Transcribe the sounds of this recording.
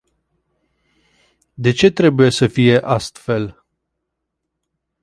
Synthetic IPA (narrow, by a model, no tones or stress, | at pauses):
d̪e̞t͡ʃe̞t̪ɾe̞buje̞səfije̞ʔast̪fe̞l